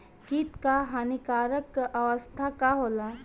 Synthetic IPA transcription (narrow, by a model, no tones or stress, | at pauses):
kit̪kaɦanikaːɾəkɐʋəst̪ʰakaɦoːla